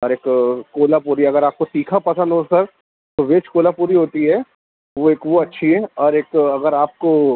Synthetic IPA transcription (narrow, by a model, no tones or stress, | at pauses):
ɔɾeːkkoːlapuːɾiɛɐɡəɾaːp̚kosiːkʰapɐsə̃nd̪ɦosɐɾ | t̪oʋeːt͡ʃkoːlapuːɾiɦoːt̪iɦɛ | ʋoeːkʋoɐtːʃʰiɦɛɔːɾeːkɐɡəɾaːp̚ko